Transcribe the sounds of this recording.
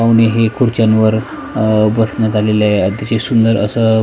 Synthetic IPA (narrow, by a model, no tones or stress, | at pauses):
awneɦekʰuɾt͡ɕanʋəɾ | bəsɳjat̪aleljaet̪at͡ɕesund̪əɾə̰sə